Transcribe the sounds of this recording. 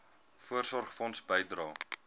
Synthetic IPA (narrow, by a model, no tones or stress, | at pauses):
fuərsɔrχfɔnsbəjdrɑː